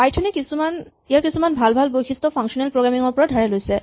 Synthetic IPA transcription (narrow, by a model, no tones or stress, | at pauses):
pajtʰunɛkisuman | ijaɹkisumanbʱalbʱalbojxʰistɔpʰaŋsɔnɛlpɹɔɡɹamiŋɔɹpɔɹadʱaɹɛlojsɛ